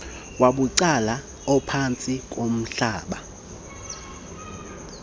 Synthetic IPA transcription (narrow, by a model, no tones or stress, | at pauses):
waɓuǀala | ɔpʰant͡sʼikʼom̩ɬaːɓa